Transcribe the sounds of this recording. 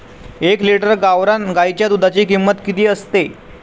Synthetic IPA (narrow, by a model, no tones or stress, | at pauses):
ekliʈəɾɡaʋɾanɡajt͡ɕjad̪ud̪ʱat͡ɕiːkimːət̪kit̪iːəst̪e